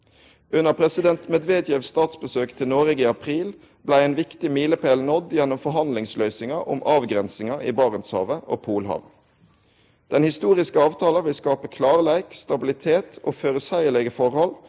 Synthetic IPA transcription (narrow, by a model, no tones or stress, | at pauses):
ʔʉnəpʰʁɛsɪd̪ɛnt̪mɛd̪ʋeːd̪jɛʋst̪ɑːt̪sbəsøːkt̪ʰɪnoːʁɛɡiːɑpʰʁiːl | blæɪenʋɪkt̪ɪmiːləpʰæːlnɔd̪jɛnːʊmfɔɦɑnd̪lɪŋslœʏsɪŋɑʔʊ̰mʔɑːʋɡʁɛnsɪŋɑḭːbɑːʁənshɑ̰ːʋəʔo̰ːpʰuːlhɑ̰ʋ | d̪̥ɛnhɪst̪uːʁɪskəɑːʋt̪ʰɑːlɑʋɪlskɑːpəkʰlɑːʁəlæɪkst̪ɑbɪlɪt̪ʰeːt̪ʰo̰ːføːʁəsæɪəɭɛɡəfɔʁhɔl